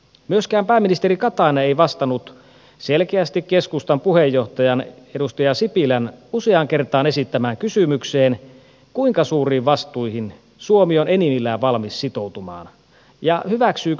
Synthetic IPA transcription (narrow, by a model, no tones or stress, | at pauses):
myøskæːmpæːmːinist̪eɾikɑt̪ɑinɑeijʋɑst̪ɑnut̪ | selk̟eæst̪ikke̞skust̪ɑmpuhejːo̞ht̪ɑjɑnedust̪ɑjɑsipilænuseɑŋke̞rt̪ɑːne̞sit̪ːæmæːŋkysymykseːn | kuiŋkɑsuːriːʋʋɑst̪uihin | suomione̞nimilːæːʋʋɑlmisːit̪o̞wt̪umɑ̰ːn | jɑhyʋæksyː